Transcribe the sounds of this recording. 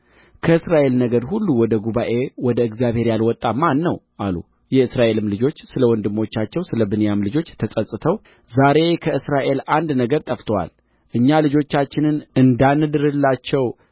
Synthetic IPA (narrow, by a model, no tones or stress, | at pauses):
kʰəɨsɾaʔe̞lnəɡəɾhulːuwɔd̪əɡuβaʔe̞wɔd̪əɨɡzjaβhe̞ɾjalwɔt̪ʼːamanːəwʔalṵ | jɛɨsɾaʔe̞lɨmlɨd͡ʒo̞t͡ʃːsɨləwɔnd̪ɨmːo̞t͡ʃːat͡ʃːɛwsɨləbɨnjamlɨd͡ʒo̞t͡ʃːt̪ʰəsʼəsʼɨt̪ʰəw | zaɾe̞kʰəɨsɾaʔe̞land̪nəɡəɾt̪ʼəft̪ʰəwa̰l | ʔɨɲːalɨd͡ʒo̞t͡ʃːat͡ʃːɪnɨnɨnd̪anːɨd̪ɨɾɨlːat͡ʃːɛw